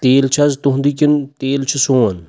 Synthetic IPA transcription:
t̪eːlt͡ʃʰɐzt̪uɦnd̪ikʲint̪eːlt͡ʃʰisoːn

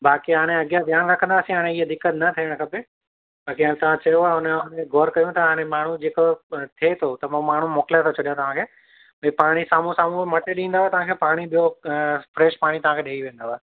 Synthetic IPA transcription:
baːkiɦaːɽ̃eɐɠjad̪ʱjaːnɾɐkʰə̃nd̪aːsĩɦaːɽ̃ẽiɦd̪ɪkːət̪nɐt̪ʰiəɽ̃kʰɐpe | baːkiaːt̪ɐʋ̤ãt͡ɕɐjoaːeɦʊneneɡʱɔːɾkɐjũt̪ɐaːɽ̃ẽmaːɳ̤ud͡ʑeːkot̪ʰiet̪ʰot̪ɐmãmaːn̤umoːkɪlat̪ʰot͡ɕʰɐɗijãt̪ɐʋ̤ãkʰeː | bɐipaːɽ̃isaːm̤ũsaːm̤ũmɐʈeɗĩːnd̪aːoet̪ɐʋ̤ãːkʰeːpaːɽ̃iɓijofɾeːʃpaːɽ̃it̪ɐʋ̤ãːkʰeːɗʱeːiʋẽːn̆d̪aaːe

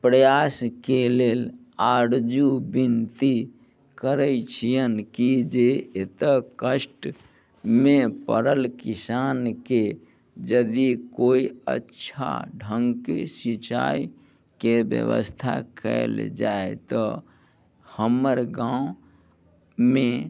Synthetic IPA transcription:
pɾəjaskelel | aɾd͡ʒubint̪i | kəɾət͡ʃʰijənkid͡ʒeet̪əkəsʈ | mepə̰ɾəlkisanke | d͡ʒəd̪ikoiə̰tːʃʰa̰ɖʱəŋɡkesit͡ʃa̰i | kebjə̰ʋə̰st̪ʰa̰kə̰eld͡ʒaet̪ɔ | həməɾɡãwu | me

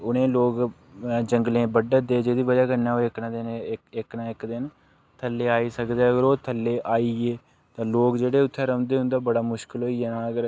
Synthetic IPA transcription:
ʊnẽːloːk | d͡ʒəŋɡlẽːbəɖəd̪eːd͡ʒeːd̪iːʋədaːkənɛːoːɪknãːd̪ɪnɪknaːɪkd̪ɪn | t̪ʰəlːeːaːiːsəkd̪eːəɡəɾoːt̪ʰəlːeːʔaːiːeː | t̪ãːloːkd͡ʒeːɽeːʊt̪ʰːɛːɾəːnd̪eːɦʊ̃nd̪aːbəɽaːmʊʃkəlɦoːiːɛːnaːəɡəɾ

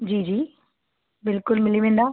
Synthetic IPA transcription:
d͡ʑiːd͡ʑiː | bɪlkʊlmɪliʋẽːnd̪aː

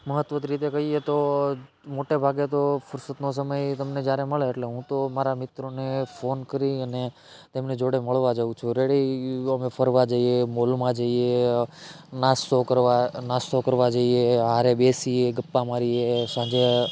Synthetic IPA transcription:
məɦət̪ʋət̪ɾit̪̬ekəɦiet̪o | moʈebʱaɡet̪ofʊɾsət̪nos̬əməjt̪əmned͡ʒjaɾeməɭeːʈleɦũt̪omaɾamɪt̪ɾonefonkəɾiəne | t̪emned͡ʒoɽeməɭʋad͡ʒəũt͡ʃʰuɾeɽiəmefʰəɾʋad͡ʒəiemolmãd͡ʒəie | nast̪okəɾʋanast̪okəɾʋad͡ʒəieɦaɾebesieɡəpːamaɾiesãd͡ʒe

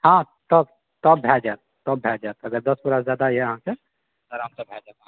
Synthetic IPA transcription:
hã | t̪ɔb | t̪ɔbbʱɛd͡ʒat̪̚ːɔbʱɛld͡ʒat̪əɡəɾd̪əspuɾasd͡ʒjad̪aiɛəɦãse | əɾɦəmsəbʱɛd͡ʒat̪

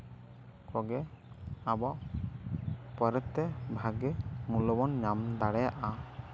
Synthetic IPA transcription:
kɔɡɛ | abɔʔ | pɔɾɛt̪ːɛbʱaɡɛmulɔbɔnɲamd̪aɽɛjaʔa

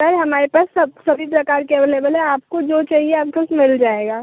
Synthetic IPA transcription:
ɐɾɦɐmaːɾepaːsɐbsɐbʱipɾɐkaːɾkeʋeleːbəlɦɛ̃aːp̚kod͡ʒoːt͡ʃaːɦieaːp̚ɡʊsmɪld͡ʒaːeːɡaː

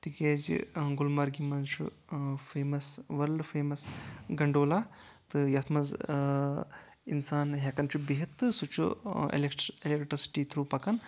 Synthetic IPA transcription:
t̪ikeːzḭɡulmɐɾɡimɐzt͡ʃʰṵ | feːmɐsʋɐɾɖfʰeːmɐsɡɐɳɖoːlaː | t̪ɨjɐt̪ʰmɐz | ḭnsaːnɦʲɐkɐnt͡ʃʰubiɦɐt̪ːɨsut͡ʃʰṵḛleʈelekʈɾisi̥ʈiːt̪ʰɾuːpɐkɐn

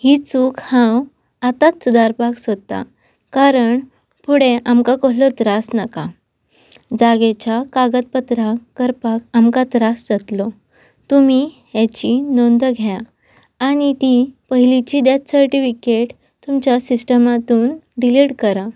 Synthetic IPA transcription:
hiːt͡suːkhãw | at̪at̪sud̪aɾpaksot̪a̰ | kaɾəɳ | puɽeʔamkakəɦlɔt̪ɾasnaka | d͡zaɡet͡ɕakaɡət̪̚pət̪ɾakəɾpakamkat̪ɾasd͡zat̪lɔ | t̪umi | ɦat͡ɕinond̪əɡʱjaː | ɽ̃it̪ipəɦilit͡ɕid̪jat͡s̪səɾʈifikeʈ | t̪umt͡ɕjasisʈəmat̪uːnɖiliɽkəɾa

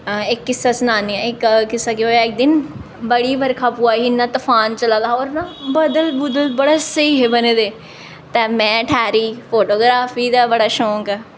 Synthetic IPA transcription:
ɪkːɪsːaːsnaːniaɪkkɪsːaːkeoːjaːɪk̚d̪ɪn | bəɽiːʋəɾkʰaːpuːaːɦiːnːãːt̪əfʰaːnt͡ʃəlaːd̪aːoːɾnãːbəd̪əlbʊd̪əlbəɽaːsəiɦbəneːd̪eː | t̪ɛːmɛ̃ːʈʰaːɾiːfʰoːʈoːɡɾaːfiːd̪aːbəɽaːʃõːkɛ

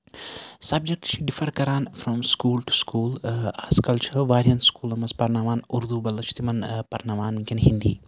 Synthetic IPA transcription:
sɐb̚d͡ʒek̚ʈʃiɖifɐɾkɐɾaːnfɾɔ̃mskuːlʈu̥skuːlɐskɐlt͡ʃʰɐɾʋaːɾiɐnskuːlɐmɐzpɐɾnaʋaːnuɾd̪ubɐlːɐt͡ʃʰi̥t̪imɐnpɐɾnɐʋaːnmikʲɐnɦĩnd̪ḭː

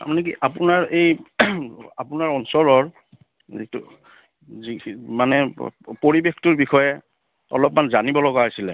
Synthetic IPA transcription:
a̰manɛkiʔapʊnaɹej | apʊnaɹɔnsɔɹɔɹ | itʊ̰ | zimanɛpoɹibextʊɹbixɔjɛ | ɔ̰lɔpmanzanibɔlɔɡaɦasilɛ

